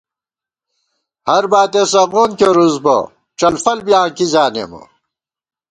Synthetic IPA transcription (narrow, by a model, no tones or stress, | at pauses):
hɐɾbaːt̪esɐɣoːnkeɾuzbɐ̰ | t͡ɕɐlfɐlbijãːkizaːnḛmṵ